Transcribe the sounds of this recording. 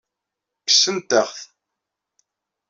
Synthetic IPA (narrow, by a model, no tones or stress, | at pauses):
kə̥sənt̪əχθ